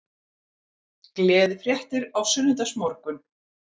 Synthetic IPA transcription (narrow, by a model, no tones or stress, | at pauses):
klɛːðfɾjɛht̪ɪɾawsʏnːʏnt̪asmɔɾkʏn